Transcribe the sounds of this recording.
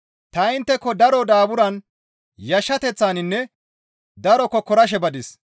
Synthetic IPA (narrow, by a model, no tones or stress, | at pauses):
t̪ɐɪnt̪ːɛkːɔd̪ɐɾɔd̪aːbʊɾɐn | jɐʃːɐt̪ɛt͡sːaːnɪnːɛ | d̪ɐɾɔkːɔkɔɾɐʃ̬ɛbɐd̪ɪs